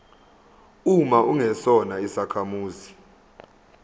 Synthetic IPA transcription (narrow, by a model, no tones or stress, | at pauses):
umaʔuŋɛsɔnaisakʰamuːzi